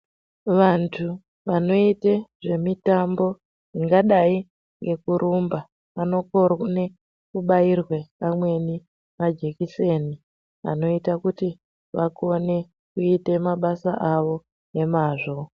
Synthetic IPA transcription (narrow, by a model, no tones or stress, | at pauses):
ʋantʰu | ʋano̞iteʐe̞mitambo̞ | iŋɡaɗai | ŋɡe̞kuɾʔumba | ʋano̞korne | kuɓairweamwe̞ni | mad͡ʒe̞kise̞ni | ʋa̰no̞itakuti | ʋako̞ne̞ | kuite̞maɓasaʔaʋo̞ | e̞maːʐo̞